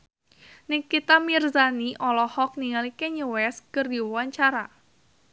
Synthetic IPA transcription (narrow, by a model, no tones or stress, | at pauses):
nɪŋkit̪amirzaniʔɔlɔhɔk̚niŋalikeɲəwɛskərdiwawaɲt͡ʃaɾa